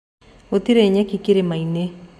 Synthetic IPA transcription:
ot̪iɾeɲɛkikeɾemaine

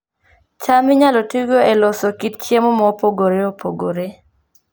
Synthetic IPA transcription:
t͡ʃamɪɲalɔtuɡoelɔsɔkit̪t͡ʃjemomɔpoɡoɾeopʰoɡoɾe

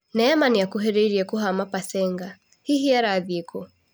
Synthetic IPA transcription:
nɛamanijakuɦɛɾɛiɾiɛkuɦamapasɛŋɡa | hiɦiaɾaðikɔ

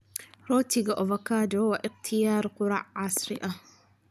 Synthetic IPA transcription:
ɾoːt̪iɡaʔovakaːd̪owaʔɪqt̪ʰijaːɾˤqʊɾˤɑ̰ʕʕasˤɾḭʔa

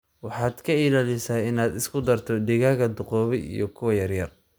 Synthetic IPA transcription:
wɑħɑːd̪kʰɐiːlaːlɪsaːɪnaːd̪ɪskʰʊd̪ɐrt̪ʰɔɖɪɣaːɣɐd̪ʊqɔːβɛḭjɔkʰʊwɐjɐrjɐr

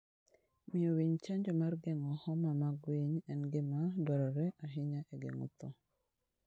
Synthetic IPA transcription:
mɪowiɲt͡ʃaɲd͡ʒɔmarɡeŋɔhɔmamaɡwiɲɛnɡɪmabaɾɔɾɛʔaɦiɲaʔɛɡḛŋṵt̪ɔ

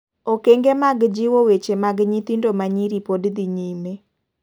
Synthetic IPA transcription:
okeŋɡemaɡd͡ʒɪwowet͡ʃemaɡɲit̪indomaɲiɾipodd̪iɲime

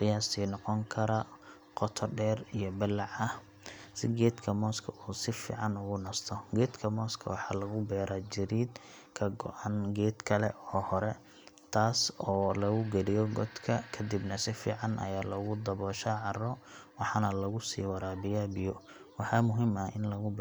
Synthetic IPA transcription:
qɪjaːsiːnɔqɔŋkʰɐɾɐ | qɔt̪ʰɔɖɛːrijɔbɪlːɑʕɐh | sɪɡɛːd̪kʰɐmɔːskʰɐʔuːsɪfḭːʕɑnʊɣʊnɐst̪ʰɔɡɛːd̪kʰɐmɔːskʰɐ̰wɑħɑːlɐɣʊbɛːɾad͡ʒɪɾiːd̪ | kʰɐɡɔ̰ʔɑnɡɛːd̪kʰɐlɛ̰ɔːhɔɾɛ | t̪ʰaːsɔːlɐɣʊɡɛlɪjɔɡɔd̪kʰɐkʰɐd̪ibnɐsɪfḭːʕɑnʔɐ̰jaːlɔɣʊd̪ɐβɔːʃaːʕɑrɔwɑħɑnɐlɐɣʊsḭːwɑɾaːbɪjaːbɪjɔ | wɑħɑmʊɦiːmɐʔɪnlɐɣʊbɛ

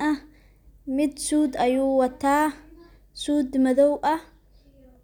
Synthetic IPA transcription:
ʔɐ | mɪd̪suːd̪ɐjuːwɐt̪ʰːaː | suːd̪mɐðɔwʔɐ

